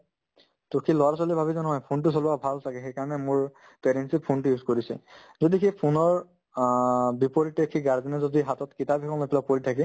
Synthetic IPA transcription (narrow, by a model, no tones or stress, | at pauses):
tʊkʰilɔasɔlibʱabizɔnɔɦɔjpʰont̬ʊs̬olʊabʱalsʰakɛxejkaɹɔnɛmʊɹ | pɛɾɛnsipʰontujuzkoɹisɛ̰ | zodikʰepʰʊnɔɹ | bipoɹitekʰiɡaɹzinɛzodiɦatɔtkitabikʰɔŋlopɛlak̚poɹitʰak̬ɛ